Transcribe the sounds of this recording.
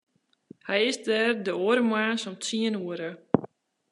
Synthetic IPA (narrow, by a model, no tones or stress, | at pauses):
hɛjɪsdɛːrdəoəɾəmwaːnsɔmtiənuəɾə